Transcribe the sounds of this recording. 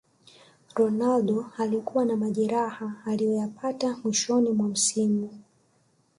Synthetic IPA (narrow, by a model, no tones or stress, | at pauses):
ɾɔnalɗɔalikuwanamaʄɛɾahaːlijɔjapatamwiʃɔnimwam̩simu